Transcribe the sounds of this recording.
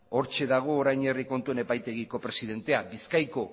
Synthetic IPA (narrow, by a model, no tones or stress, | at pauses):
o̞ɾt͡ʃe̞ðaɣ̞o̞ːɾajɲe̞riko̞nt̪ue̞ne̞pajt̪e̞ɣiko̞pɾe̞siðe̞nt̪e̞abiskajko̞